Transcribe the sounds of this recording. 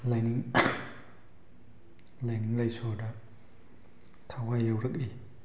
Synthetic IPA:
lajniŋ | lajniŋlajsoda | t̪ʰawajəwɾək̚i

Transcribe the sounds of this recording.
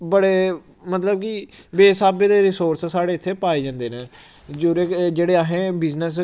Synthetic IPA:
bəɽeː | mət̪ləb̚kiʋeːsaːbeːd̪eːɾɪsoːɾssaːɽeːɪt̪ʰːeːpaːeːd͡ʒãːnd̪eːnẽː | d͡ʒoːɾeːd͡ʒeːɽeːaɦẽːbɪznəs

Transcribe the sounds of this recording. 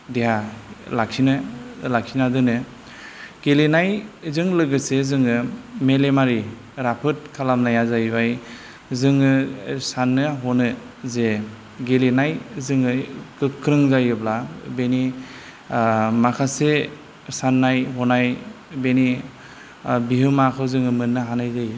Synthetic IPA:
deɦalak̚sinɯlak̚sinadɯnɯ | ɡ̥elinajzɯŋlɯɡɯsezɯŋɯmelemaɾi | ɾapʰɯt̚kʰalamnajazajbaj | zɯŋɯsanːɯɦɔnɯ | ze | ɡelenajzɯŋɯkɯkʰːɾɯŋzajɯblabeni | makʰase | sanːajɦɔnaj | beni | bihɯmakʰɯwzɯŋɯmɯnːɯɦanajzaj

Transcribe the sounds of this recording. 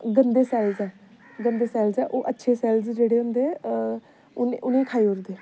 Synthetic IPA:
ɡənd̪eːsɛːlzɛː | ɡənd̪eːsɛːlzɛːʔoːʔətːʃʰeːsɛːlzd͡ʒeːɽeːɦʊnd̪eː | ʊnʊnẽĩːkʰaːiːʊɾd̪eː

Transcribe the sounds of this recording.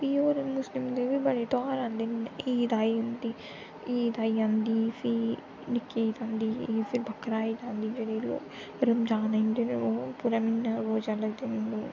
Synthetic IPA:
piːoːɾmʊslɪmd̪eːʋiːbəɽeːʈɔːɾãːnd̪eːniːd̪aːiːʊnd̪iː | iːd̪aːiːãːnd̪iːfʰi | nɪkːeːt̪ãːnd̪iːfʰɪɾbʱəkːɾaːiːd͡ʒãːnd̪iːd͡ʒeːɽeːlo̰ːk | ɾɪmd͡ʒãːnend̪eneoːpuɾaːmɪnːaːɾoːd͡ʒaləd̪edũː

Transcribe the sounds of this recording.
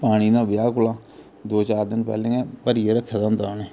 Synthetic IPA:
paːɽ̃iːd̪ãːbɪjaːkʊlaː | d̪oːt͡ʃaːɾd̪ɪnpɛ̰ːlẽːɛːpəɾjeːɾəkʰːad̪aʊnd̪aːneː

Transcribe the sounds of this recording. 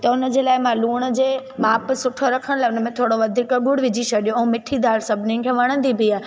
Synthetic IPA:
t̪ɐʊnə̆d͡ʑeːlaːɪmãluːɽ̃əd͡ʑeːmaːpsʊʈʰoɾɐkʰəɽ̃laːʊnəmẽt̪ʰoːɽoʋɐd̪ʱiːkəɡʊɽʋɪd͡ʑisɐɗijõɐɦũmɪʈʰid̪ʱaːɾsɐbʱnɪ̃kʰeʋɐɽ̃ə̃nd̪ibʱiaːɦ

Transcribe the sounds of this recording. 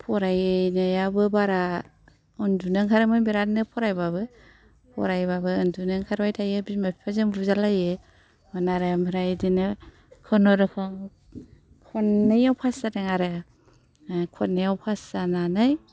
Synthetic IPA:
pʰɔɾajnajabɯbaɾa | ɯndunɯŋkʰaɾɯmɯnbiɾatnɯpʰɔɾajbabɯ | pʰɔ̰ɾajbabɯɯndunɯŋkʰaɾbajtʰajɯbimapʰipʰazɯmbuzalajɯ | manaɾamɯɾajdinɯ | kʰɔnɔɾɯkʰɔŋ | kʰɔnːɯjawpʰasadaŋaɾɯ | kʰɔnːɯjawpʰasananaj

